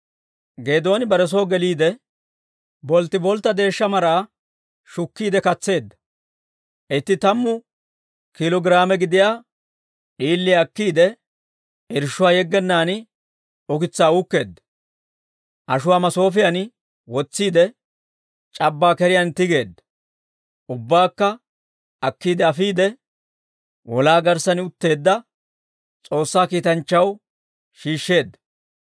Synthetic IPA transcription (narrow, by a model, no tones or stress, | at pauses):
ɡe̞ːd̪o̞ːnɪbɐɾɛs̬o̞ːɡɛliːd̪ɛ | bɔlt̪ːɪbɔlt̪ːɐd̪e̞ːʃːɐmɐɾaː | ʃʊkːiːd̪ɛkɐt͡sːe̞ːd̪ːɐ̥ | ʔɪt̪ːɪt̪ɐmːʊ | kɪlɔɡɪɾaːmɛɡɪd̪ɪjaː | ᶑiːlːɪɐkːiːd̪ɛ | ɪɾʃːʊwaːjɛɡːɛnːaːn | ʊkɪt͡sːaːʊkːe̞ːd̪ːɐ̥ | ʔɐʃʊwaːmɐso̞ːf̬ɪjan | wɔt͡sːiːd̪ɛ | t͡ʃʼɐbːaːkɛɾɪjɐnt̪ɪɡe̞ːd̪ːɐ̥ | ʔʊbːaːkːɐ | ɐkːiːd̪ɛɐfiːd̪ɛ | wɔlaːɡɐɾsɐnɪʊt̪ːe̞ːd̪ːɐ | t͡sʼo̞ːsːaːkiːt̪ɐnt͡ʃːɐw | ʃiːʃːe̞ːd̪ːɐ̥